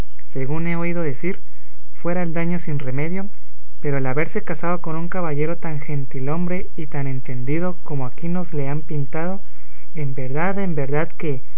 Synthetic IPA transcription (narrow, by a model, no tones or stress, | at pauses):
se̞ɣune̞o̞ið̞o̞ðe̞siɾ | fwe̞ɾaeld̪aɲo̞sinre̞me̞ðjo̞ | pe̞ɾo̞elaβe̞ɾse̞kasaðo̞ko̞nuŋkaβaʝe̞ɾo̞t̪aŋxe̞nt̪ilo̞mbɾe̞ | it̪ane̞nt̪e̞nd̪ið̞o̞ko̞mo̞akino̞zle̞ampint̪að̞o̞ | embe̞ɾðaðe̞mbe̞ɾðaðke̞